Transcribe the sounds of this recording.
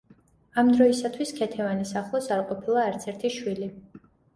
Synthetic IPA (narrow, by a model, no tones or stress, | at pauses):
amd̪ɾɔisat̪ʰwiskʰɛt̪ʰɛvanisaχlˠɔsaɾqʼɔpʰilˠaːɾt̪sʰɛɾt̪ʰiʃwili